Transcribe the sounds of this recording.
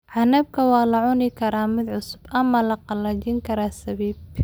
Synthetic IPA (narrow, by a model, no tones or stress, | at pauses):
ʕɑnɐb̚kʰɐwɑːlɐʕʊnɪkʰɐɾaːmɪd̪ʕʊsʊ̥bʔɐmːɐlɐqɑlɐt͡ʃɪŋkʰɐɾaːsɐβiːb